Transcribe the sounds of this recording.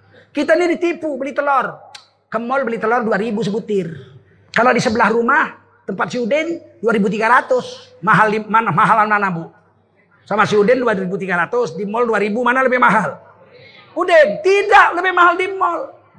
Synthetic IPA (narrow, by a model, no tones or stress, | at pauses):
kit̪anidit̪ipubəlit̪əlɔr | kəmːɔlbəlit̪əlɔrduaɾibus̬əbut̪ir | kaloadisəbəlahrumah | t̪əmpat̪̚siudɛnduaɾibut̪̬iɡaɾat̪usmaɦalimanamaɦalannanabu | samasiudɛnduaɾibut̪iɡaɾat̪usdimɔlduaɾibumanaləbɛhmaɦal | udɛnt̪idaʔləbɛhmaɦaldimːɔl